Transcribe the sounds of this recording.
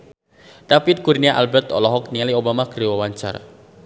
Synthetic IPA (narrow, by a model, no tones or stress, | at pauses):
dapit̪̚kuɾniaʔalbɛrt̪ɔ̰lɔɦɔk̚nialiobamakɾewawaɲt͡ʃa̰ra